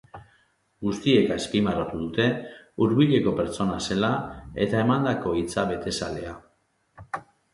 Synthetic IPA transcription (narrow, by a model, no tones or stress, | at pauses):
ɡust̪ie̞kaespimarot̪uðut̪e̞uɾβiʎe̞ko̞pe̞ɾt͡so̞nase̞lae̞̰t̪ae̞mand̪ako̞it͡saβe̞t̪e̞sa̰le̞a